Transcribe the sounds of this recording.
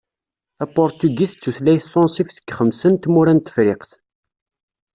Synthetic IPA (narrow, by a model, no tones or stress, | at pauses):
æpɔɾt̪yɡiθt͡sːuθlæjθsɔ̃nsifsə̥kːχəmsənt̪muɾænt̪ːə̥fɾɪqθ